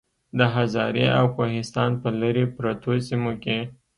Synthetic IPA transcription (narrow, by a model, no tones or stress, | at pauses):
d̪əɦazɑɾeʔawkoɦɪst̪ɑnpəlaɾepɾat̪osimoke